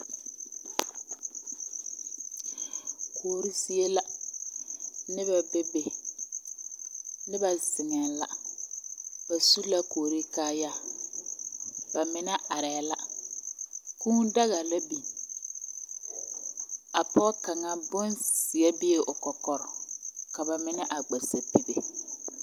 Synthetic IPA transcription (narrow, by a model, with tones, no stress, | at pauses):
kʰoː˨ɾi˦si˦e˦la˦ | nɪ˦ba˨be˦be˨ | nɪ˦ba˨sɪ˨ŋɛ˨la̰˨ | ba˨su˦la˦koː˨ɾi˦kaː˦ja˦˨ | ba˨mɪ˨nɛ˦a˨ɾɛ˨la˦ | kũː˦nda˦ɣa˨la˦bi˨ | a˨pɔ˦ka˨ŋa˦bʊ˦nsi˨ɛ˦bɪ˦e˨ʔʊ˨kɔ˨kɔ˨ɾɔ˨ka˨ba˨mɪ˦nɛ˦ʔa˨ɡ͡bɛ˨sa˨pi˨be˨